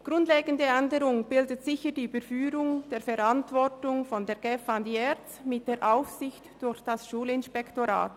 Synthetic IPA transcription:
ɡ̥ʁʊndleːɡən̩dəɛndəɾʊŋbɪldətz̥ɪçəd̥iːybəɾfyːɾʊŋd̥eːfɛɾantv̥ɔrtʊŋfɔndeːɡ̥ɛfandiɛttmɪt̚d̥eːɾʔaʊfsɪçtd̥ʊɾçd̥asʃuːlɪnʃpɛktoɾa̰ːt

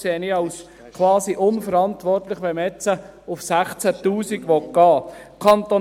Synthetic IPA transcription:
seːəniɑʊs | kʰʋɑːsiʔʊnfəɾɑnt̪ʋɔrtlɪχʋɛmɛt͡sə | ʊfsæχt͡sætuːsiɡʋɔtɡ̥ɑː | kʰɑnt̪o

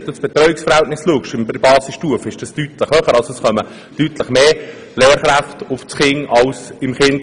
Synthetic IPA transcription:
d̥usb̥et̪ɾœʏɪksfəɾhæltnɪsluəkʃɪmbbɑːsɪsʃtuəfɪʃd̥ɑstyːt̪ləχhœχəɾɑlsoɛsχœmə | d̥ytləχmeː | leːɾχɾæftʊft͡sχɪŋʔɑlsɪmχɪnd

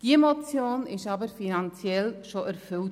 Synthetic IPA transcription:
d̥iəmot͡sjoːnɪʃɑbəɾfinɑnt͡sjɛlʃoʔæɾfʏlt

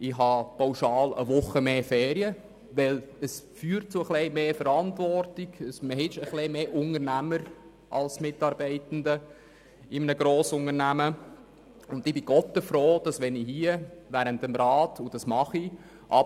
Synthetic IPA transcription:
ɪɦɑpʰawʃɑːlə̰ʋʊχəmeːfɛːɾiə | ʋɛləsfyːɾt̚t͡sʊəχlɛɪmeːfəɾɑntʋɔrtiɡ̥əsməhɪʃəχlemeːʔʊŋəɾnæməɾ | ʔɑ̰lsmɪtɑːɾbɛɪtn̩də | ɪmənəɡɾoːsʊŋəɾnæmə | ʊndɪb̥ɪɡ̥ɔtəfɾoːd̥ɑsʋɛnihiəʋæɾəntəmɾɑːtʰud̥ɑsmɑχi | ʔɑ

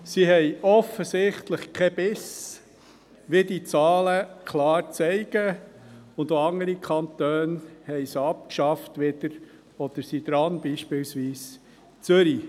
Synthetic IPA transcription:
siɦɛɪɔfəsɪχtləχkʰɛbɪs | ʋɪdit͡sɑːləkʰlɑːɾt͡sɛɪɡ̥ə | ʊnd̪oɑŋəɾikʰɑnt̪øːnhɛɪsɑp̚kʃɑftʋɪd̥̪əɾ | ɔd̪̥əsid̪ɾɑnbiːʃpɪlsʋiːs | t͡søɾi

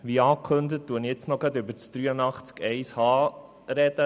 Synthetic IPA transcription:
ʋiɑːkʰχɵnd̪ətːuənjɛt͡snɔɡɾɑd̪ʏbəɾt͡sd̥ɾyːənɑχt͡skɛɪshɑː | ɾɛd̥ə

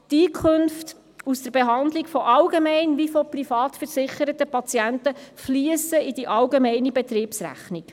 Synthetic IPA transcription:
tiːkʰønft | usd̥əɾb̥eɦɑnd̪likfɔʔɑlɡemɛɪnʋifɔprifɑːt̪fəɾsɪχəɾət̪əpɑt͡siæntəfliəsəid̥iʔɑlɡemɛɪnibɛt̪ɾiːpsɾæ̰χnik

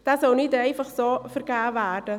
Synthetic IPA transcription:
d̥aːsɔlnɪdɛɪfɑχsoːfəɾɡ̥æːvæːrd̥ə

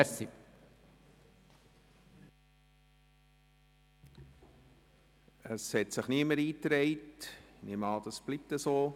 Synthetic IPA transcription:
si | əshɛtsɪχniəməɾiːtɾɛɪtnɪmɑːd̪̥ɑsb̥lip̚təsoː

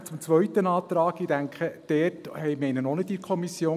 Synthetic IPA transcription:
t͡sʊmt͡sʋœɥtənɑːt̪ɾɑːkid̥æŋkχəd̥ɛːrthɛjmɛɪnənonɪtikʰɔmisjoː

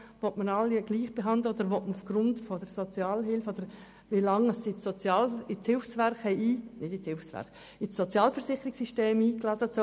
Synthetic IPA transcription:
vɔtmənɑlːiɡ̥liːχb̥eɦɑndləodəɾʋɔtməufɡ̥ɾʊntfɔdəɾsɔt͡sjɑːlɦɪlfodəɾ | ʋilɑŋəsiot͡sjɑːlɪt͡shɪlfsʋɛɾχhɛiːnɪdɪt͡shɪlfsʋɛ̰ɾχ | ɪsːɔt͡sjɑːlfəɾsɪχːəɾɪksːiʃteːmiːklɑːd̥əɑso

